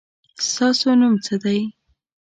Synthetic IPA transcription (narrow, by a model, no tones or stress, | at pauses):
st̪ɑsonumt͡səd̪aj